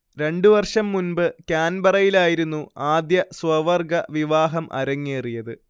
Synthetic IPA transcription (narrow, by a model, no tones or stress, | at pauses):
ɾe̞ɳɖuʋɐrʂɐmːunbɨkaːnbɐrɐjilaːjiɾunːuaːd̪jɐswɐʋɐrɡɐʋiʋaːɦɐmʔɐ̰ɾɐŋːeːrijɐðɨ